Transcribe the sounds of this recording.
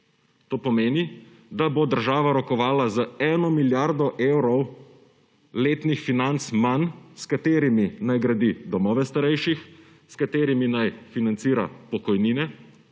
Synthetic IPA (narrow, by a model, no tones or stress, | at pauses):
t̪oːpɔmeːni | d̪abod̪əɾʒaːʋaɾɔkɔʋaːlazəɛnɔmiljaɾd̪ɔʔeːwɾɔw | leːt̪nixfinant̪smanskat̪eːɾiminajɡɾad̪id̪ɔmɔːʋɛst̪aɾɛjʃix | skat̪eːɾiminajfinant̪siːɾa̰pɔkɔjniːnɛ